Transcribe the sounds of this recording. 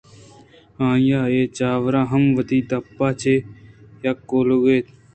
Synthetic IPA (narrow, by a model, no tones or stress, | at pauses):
ãːjaːeːt͡ʃaːʋɾãːɦɐmʋət̪iːd̪apːaːt͡ʃʰeːjakːoːloːɡeːt̪